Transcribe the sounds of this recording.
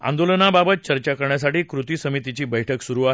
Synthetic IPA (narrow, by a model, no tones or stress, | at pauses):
a̰nd̪olənababət̪̚t͡ɕəɾt͡ɕakəɾɳjas̬aʈiːkɾut̪iːsəmit̪it͡ɕiːbəjʈʰəksuɾuːaɦe